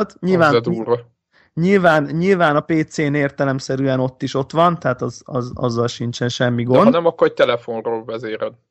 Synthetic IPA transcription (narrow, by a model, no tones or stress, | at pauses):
t̪ɲilvaːɛd̪uːɾ | ɲilvaːnɲilvaːnɒpeːt̪seːneːrt̪ɛlɛmsɛɾyɛno̞t̪ːiʃo̞t̪ʋɒnt̪ɛɦaːt̪ɒzɒ̰zɒ̰zːɒlʃint͡ʃɛnʃɛmːiɡonɒnɛmɒkːoɾɛc̚t̪ɛlɛfo̞nroːlvɛzeːɾɛd̪